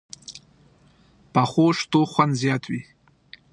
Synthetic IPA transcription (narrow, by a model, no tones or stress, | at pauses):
pʰaχʷoʂtʼuχʷanzjatʷʼi